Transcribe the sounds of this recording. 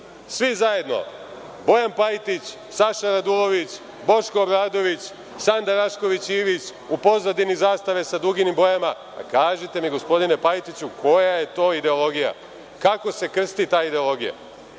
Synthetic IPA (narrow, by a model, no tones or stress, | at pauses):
sʋizaje̞d̪no̞̰ | bo̞jampajt̪it͡ɕ | saʃaɾad̪ulo̞ʋit͡ɕ | bo̞ʃko̞ːbɾaːd̪o̞ʋit͡ɕ | sand̪aɾaʃko̞ʋit͡ɕiːʋit͡ɕ | upo̞zad̪inizaːst̪aʋe̞sad̪ɾuɡinimbo̞jama | a̰kaːʒet̪e̞miɡo̞spo̞d̪ine̞pajt̪it͡ɕukʰo̞jaje̞t̪o̞ːid̪e̞o̞lˠo̞ɡija̰ | kako̞se̞kr̩st̪it̪aːid̪e̞o̞lˠo̞ɡija̰